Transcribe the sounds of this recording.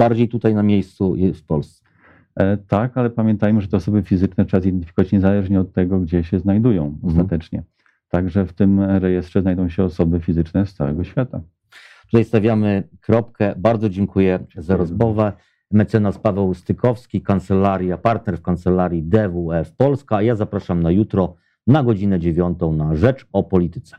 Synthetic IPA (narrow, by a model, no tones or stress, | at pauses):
b̥aɾd͡ʑejt̪ut̪ajnamʲejst̪suɛfpɔlst̪sɛ | t̪akalɛpamʲjɛnt̪ajmɘʐɛt̪ɛɔsɔbɘfʲizɘt͡ʂnɛt̪ʂɛazid̪ɛnt̪ɘ̥fʲi̥kɔvat͡ɕɲɛzalɛʐɲɛɔt̪ːɛɡɔɡd͡ʑɛɕɛznajd̪ujɔ̃w̃ɔst̪at̪ɛt͡ʂɲɛ̰ | t̪aɡʐɛft̪ɘmɾɛjɛst̪ʂɛznajd̪ɔ̃w̃ɕɛɔsɔbɘfʲizɘt͡ʂnɛst̪sa̰wɛ̰ɡɔɕfʲjat̪a | t̪u̥t̪ajst̪avʲjamɘkɾɔp̚kɛbaɾd̪zɔd͡ʑɛŋkujɛzaɾɔzmɔvɛ | mɛt̪sɛnaspavɛwst̪ɘkʰɔfskʲikant̪sɛlaɾʲjapaɾt̪̚nɛɾfkant̪sɛlaɾʲjid̪ɛvuɛfpɔlskaːjazapɾaʂamnajut̪ɾɔ | naɡɔd͡ʑinɛd͡ʑevʲjɔnt̪ɔ̃w̃naʐɛt͡ʂɔpɔlʲit̪ɘ̥t̪sɛ̥